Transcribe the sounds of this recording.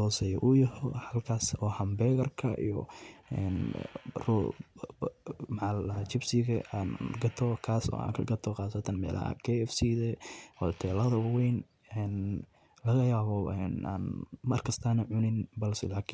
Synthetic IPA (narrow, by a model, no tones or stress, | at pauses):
ɔːsɛjɔʔʊjɐhɔħɐlkʰaːsɔːhɐmbɛːɣɐrkʰɐʔḭjɔ̰ɛ̰nrɔ | mʕaɐt͡ʃɪbsɪɣɐʔaːnɡɐt̪ʰɔkʰaːsɔ̰ːa̰ːŋkʰɐɡɐt̪ʰɔqɑːsɐt̪ʰɐnmɛ̰ːlɐ̰hɐ̰kʰɛɛfsiðɛwɔt̪ʰɛːlɐðɐwɛjn | ɛn | lɐɣɐjaːβɔɛna̰ːnmɐrkʰɐst̪ʰaːnɐʕʊnɪnbɐlsɪlaːkʰːn